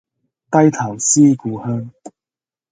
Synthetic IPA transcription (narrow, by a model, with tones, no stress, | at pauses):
t̪ɐ˥jt̪ʰaː˨˩ŋsiː˥kuː˨˧hœː˥ŋ